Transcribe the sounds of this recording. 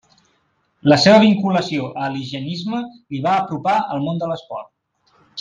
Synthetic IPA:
ləseβəβ̞iŋkuləsioʔəliʒənizməliβaːpɾupaəlˠmond̪ələspɔrt̪̚

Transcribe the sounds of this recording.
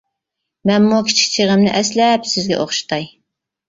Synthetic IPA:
mɛnmukʲʰi̥t͡ʃʰkʲt͡ʃʰeʁəmnɪʔɛslɛpsɪzɡʲɛ̰ʔoχʃɨ̥t̪ʰɑj

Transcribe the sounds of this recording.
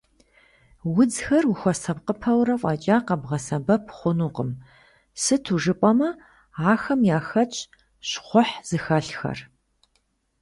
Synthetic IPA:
wʊd͡zxɐruxʷɔsɐpqəpʰɐwrɐfʷʼɑːt͡ʃʼaːqɐbʁɐsɐbɐpʰχʷʊnuːqəm | sɨtʰuʒɨpʼɐmɐ | aːxɐmjaːxɐt͡ʃʼ | ɕχʷʊħz̥ɨxɐɬxɐ̰r

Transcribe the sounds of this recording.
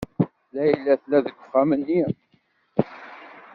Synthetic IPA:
læjəlːæθlæðəɡʷːə̥fæmənːi

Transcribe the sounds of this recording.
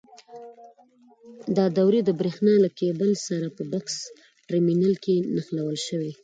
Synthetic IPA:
d̪ɑd̪awɾed̪əbɾexnɑlakebəlsaɾapəbaks | ʈɾiminalkenaxlawəlʃəwe

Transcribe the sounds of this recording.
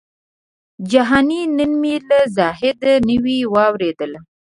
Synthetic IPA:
d͡ʒaɦɑninənmilazɑɦɪd̪anəwiwɑwɾed̪əl

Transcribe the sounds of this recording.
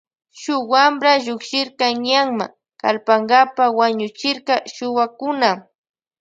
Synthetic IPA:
ʃʊwambɾaʎʊkʃɪɾkɑɲaŋma̰ | kalpaŋɡapawaɲʊt͡ʃɪɾqɑʃʊwakʊna

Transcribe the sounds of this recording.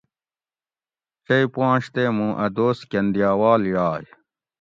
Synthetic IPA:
t͡ɕɐipãːɕt̪eːmũːʔɐd̪oːskɐnd̪ijaːwaːljaːj

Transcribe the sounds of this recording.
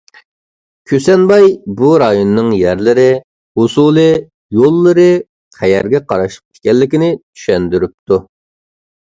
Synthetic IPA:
kʲʰøsɛnbɑjbuɾɑjonːɨŋjæɾlɪɾɪ | usulˠɨ | jolˠːɨɾɨ | qʰɛjɛɾɡʲɛqʰɑɾɑʃə̥q̚e̥kʲʰɛlːɪkʲɪnɪt̪ʰy̥ʃɛnd̪yɾyp̚t̪u

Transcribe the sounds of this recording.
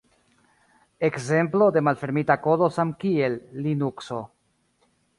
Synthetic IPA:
e̞kze̞mplo̞de̞malfe̞ɾmitako̞do̞samkie̞lːinukso̞

